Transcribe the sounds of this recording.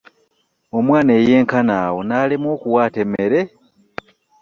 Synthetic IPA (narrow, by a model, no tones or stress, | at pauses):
o̞mwaːneje̞ːŋkanaːwonaːlimwoːkuwaːtemeɾe